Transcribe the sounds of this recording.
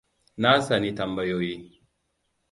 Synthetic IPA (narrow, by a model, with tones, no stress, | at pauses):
na˦sa˨ni˨ta˨mba˨jo˨ji˦